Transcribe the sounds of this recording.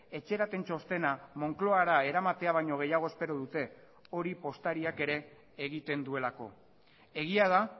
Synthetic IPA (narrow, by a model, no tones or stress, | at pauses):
e̞t͡ʃe̞ɾat̪e̞nt͡ʃo̞st̪e̞namo̞ŋklo̞aɾae̞ɾamat̪e̞aβ̞ajɲo̞ɣ̞e̞jaɣ̞o̞espe̞ɾoðut̪e̞ | o̞ɾipo̞st̪aɾiake̞ɾe̞ː | ɣit̪e̞nd̪ue̞lako̞̰ | e̞ɣ̞iað̞a